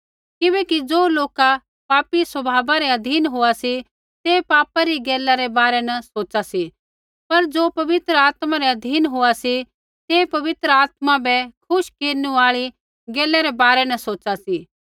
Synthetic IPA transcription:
kɪbɛkid͡zoːloːka | paːpiswɐbʱaːbaɾɛɐd̪ʱiːnɦʊasi | t̪epaːpaɾiɡeːlaɾɛbaːɾɛnɐsoːt͡ʃasi | pɐɾd͡ʒoːpɐʋɪt̪ɾəaːt̪maɾɛɐd̪ʱiːnɦʊasi | seːpɐʋɪt̪ɾəaːt̪mabɛkʰʊʃkeːɾnũaːɭi | ɡeːlɛɾɛbaːɾɛnɐsoːt͡ʃasiː

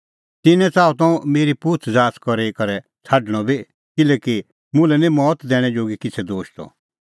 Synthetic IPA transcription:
t̪ɪnɛ̃t͡saːut̪ɔ̃meːɾipuːt̪ʰd͡zaːskɔɾeikɐɾɛ | t͡sʰaɖɽ̃ɔbʱi | kɪlɛːki | mʊ̃lɛnĩmɔːt̪d̪ɛːɽ̃ɛ̃d͡ʒoːɡikɪt͡sʰɛd̪oːʃt̪ɔ̰

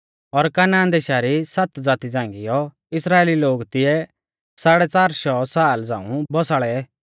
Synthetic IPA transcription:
ɔɾkaːnãːnd̪eʃaɾisɐt̪d͡zaːt̪id͡zãːŋɡɪjɔ | ɪsɾaːeːliloːɡt̪ɪɛ | saːɽɛt͡saːɾsɔsaːld͡zãːṵ̃bɔsaːɭɛɛ

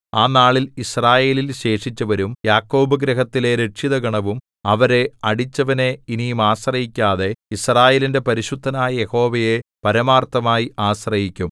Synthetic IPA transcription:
aːnaːɭilisraːje̞ːlilɕe̞ːʂit͡ɕːɐʋɐɾumjaːkːo̞ːbɐɡɾɐɦɐt̪ːile̞ɾe̞ʈʂiðɐɡɐɳɐʋum | ɐʋɐɾe̞ɐɽit͡ɕːɐʋɐne̞inijumaːɕrɐjikʲːaːðe̞israːje̞ːlinde̞pɐɾiɕud̪ʱːɐnaːjɐje̞ho̞ːʋɐje̞pɐɾɐmaːrt̪ːɐmaːjiaːɕrɐjikʲːum

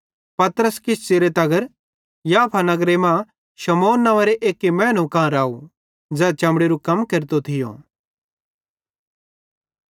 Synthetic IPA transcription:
pɐt̪ɾəskɪst͡seɾet̪ɐɡəɾ | jaːpʰanɐɡɾemã | ʃɐmoːnːɐʋeɾeʔeːkimɛ̃ːnukãɾaːu | d͡zɛːt͡ʃɐ̃mbɽeɾukɐmkɐɾt̪ot̪ʰɪjõ̰

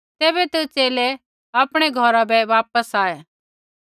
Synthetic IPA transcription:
t̪eːbɛt̪ut͡ʃeːle | apɽ̃eɡʱɔɾabɛʋaːp̚əsaːe

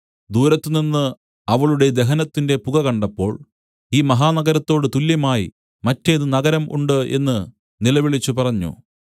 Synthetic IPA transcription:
d̪uːɾɐt̪ːɨninːɨ | ɐʋɐɭuɽe̞d̪e̞ɦɐnɐt̪ːinde̞puɡɐkɐɳɖɐpːo̞ːɭ | iːmɐɦaːnɐɡɐɾɐt̪ːo̞ːɽɨt̪uljɐmaːjḭ | mɐtːeðɨnɐɡɐɾɐmʔṵɳɖɨʔe̞̰nːɨ | nilɐʋiɭit͡ɕːupɐrɐɲːṵ

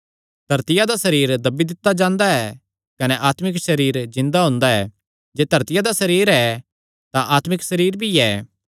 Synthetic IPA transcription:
d̪̥ʱɐɾt̪ɪjad̪asɐɾiːɾd̪ɐbid̪ɪt̪ːad͡ʒãːnd̪aɛ | kɐnɛʔaːt̪mɪkʃɐɾiːɾzɪ̃nd̪aɦõːnd̪aɛː | d͡ʒeːd̪ʱɐɾt̪ɪjad̪asɐɾiːɾɛ | t̪ãʔaːt̪mɪksɐɾiːɾbʱiɛː

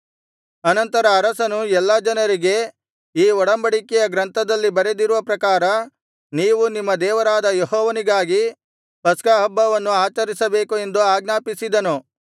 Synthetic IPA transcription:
ɐnɐnt̪ɐɾɐːɾɐsɐnuɛlːɐd͡ʒɐnɐɾiɡe̞ | iːɔɽɐmbɐɽikɛjɐɡɾɐnt̪ʰɐd̪ɐlːibɐɾed̪iɾuʋɐpɾɐkaːɾɐ | niːʋunimːɐd̪ɛːʋɐɾaːd̪ɐjehɔːʋɐniɡaːɡi | pɐskaːɦɐbːɐʋɐnːuaːt͡ʃɐɾisɐbeːkue̞nd̪uaːɡnaːpisid̪ɐnu

